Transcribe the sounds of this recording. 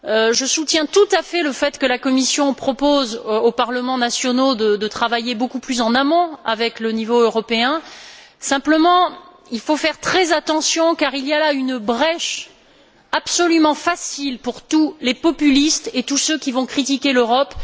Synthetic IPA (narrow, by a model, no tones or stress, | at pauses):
øʒəsut̪jɛ̃t̪ut̪afɛləfɛt̪kəlakɔmisjɔ̃pχɔpozopaʁləmɑ̃nasjɔnod̪əd̪ət̪χavajebokuplysɑ̃namɔ̃avɛklənivoøʁɔpeɛ̃ | sɛ̃pləmɑ̃ | ilfofɛʁt̪χɛzat̪ɑ̃sjɔ̃kaʁilialaynbʁɛʃ | apsɔlymɑ̃fasilpuʁt̪ulepɔpylist̪et̪usøkʲivɔ̃kχit̪ikʲeløʁɔp